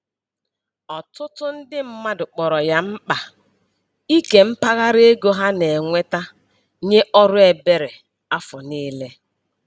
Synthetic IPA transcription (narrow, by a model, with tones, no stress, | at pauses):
ɔ˨tʊ˦tʊ˦n̩˦dɪ˦m̩˦ma˦dʊ˨k͡pɔ˨ɾɔ˨ja˦m̩˦k͡pa˨ | i˦ke˨m̩˦pa˦ɣa˦ɾe˦ɡo˦ɦa˦ne˨ŋʷe˦ta˦ | ɲe˦ʔɔ˦ɾʊ˦e˨be˦ɾe˨ | a˦fʊ˨niː˦le˦